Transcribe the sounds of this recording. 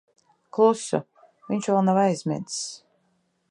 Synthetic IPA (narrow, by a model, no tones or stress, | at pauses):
klˠusṵ | vʲiɲʃvɛlˠnavajzʲmʲɛ̰d̪s